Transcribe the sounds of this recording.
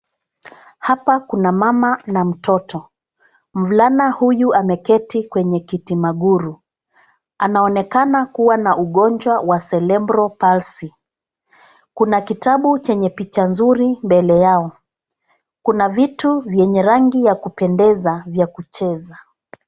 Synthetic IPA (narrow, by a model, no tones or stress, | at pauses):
hapakunamamanam̩tɔtɔ | m̩vlanahujuamɛkɛtikwɛɲɛkitimaɠuɾu | anaɔnɛkanakuwanaʔuɠɔnd͡ʒwawasɛlɛmbɾɔpalsi | kunakitaɓut͡ʃɛɲɛpit͡ʃanzuɾimbɛlɛjaɔ | kunavituvjɛɲɛɾaŋɡijakupɛndɛzavjakut͡ʃɛza